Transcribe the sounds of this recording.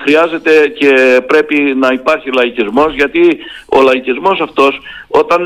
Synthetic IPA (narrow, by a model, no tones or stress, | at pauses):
xɾiɐze̞t̪e̞ce̞pɾe̞pinɐipɐɾçilɐicizmo̞zʝɐt̪i | o̞lɐicizmo̞sɐft̪o̞so̞t̪ɐn